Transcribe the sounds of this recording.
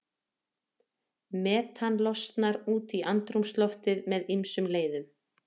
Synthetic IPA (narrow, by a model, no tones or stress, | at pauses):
mɛːt̪ʰanlɔst̪naɾuːt̪iʔant̪ɾumst̪lɔft̪ɪðmɛðimsʏmleːjðʏm